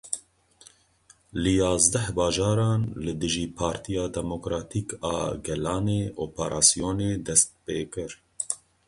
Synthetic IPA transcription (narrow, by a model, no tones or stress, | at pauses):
lɨjɑːzd̪ɛhbɑːʒɑːɾɑːnlɨd̪ɨʒiːpʰɑːɾt̪ʰijɑːd̪ɛmokɾɑːt̪ʰiːkɑːɡɛlɑːneːʔoːpʰɛɾʔɑ̰ːsijoːneːd̪ɛst̪̚peːkɨɾ